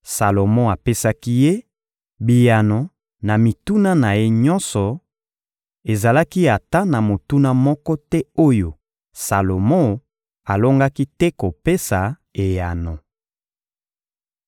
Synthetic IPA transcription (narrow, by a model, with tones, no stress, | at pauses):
sa˨lo˨mɔ̃˦a˨pe˦sa˦ki˦je˦ | bi˨ja˨no˨ | na˨mi˨tu˦na˦na˨je˦ɲɔ˦nsɔ˨ | e˨za˨la˦ki˦a˨ta˦na˨mo˨tu˦na˦mɔ˦kɔ˦tɛ˦o˦jo˨ | sa˨lo˨mõ˦ | a˨lo˦ŋɡa˦ki˦tɛ˦ko˨pe˦sa˨ | e˨ja˨no˨